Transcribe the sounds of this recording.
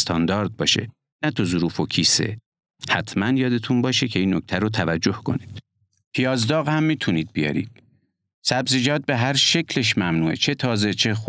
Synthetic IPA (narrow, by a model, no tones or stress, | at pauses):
st̪ʰɒnd̪ɒːɾd̪̚bɒ̰ːʃe̞̰ | næt̪ʰozuɾuːfocʰiːse̞̰ | hæt̪ʰmænjɒːd̪e̞t̪ʰunbɒːʃecʰe̞iːnːokc̚t̪ʰæɾot̪ʰævæd͡ʒːo̞hkʰo̞̰niːd̪̥ | pʰijɒːzd̪ɒːɣhæmːiːt̪ʰuniːd̪̚bijɒ̰ɾḭːd̪̥ | sæbzed͡ʒɒːd̪̚beɦæɾʃe̞cʰleʃmæmnuːḛt͡ʃʰe̞t̪ʰɒːze̞t͡ʃʰe̞x